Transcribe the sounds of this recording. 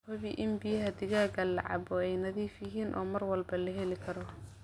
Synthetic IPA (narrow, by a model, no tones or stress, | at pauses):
hɐβiʔɪnbɪjɐɦɐd̪ɪɣaːɡɐlɑ̰ʕɑ̰bɔɛjnɐðiːfjɪɦiːnʔɔ̰ːmɐrwɐlbɐlɐɦɛlɪkʰɐɾɔ